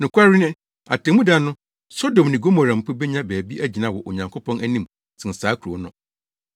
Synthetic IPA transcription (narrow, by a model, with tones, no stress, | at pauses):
nʊ̃˨kʰʷa˦ɾi˦nɪ̃˦ | a˨tʰɛ̃˨mũ˦da˦nʊ̃˦ | sɔ˦dõ˨m˨nɪ̃˨ɡo˦mo˨ɾã˨m̩˨pʰʊ˦bɛ˦ɲã˦bæː˨bi˦ʔæ˦d͡ʑi˨nã˦wɔ˨ʔo˨ɲã˨ŋkʰo˦pʰɔ̃˦næ˦nĩ˦m | sʰɪ̃˨n̩˨saː˨˦kʰu˨ɾɔ˨˦nʊ̃˨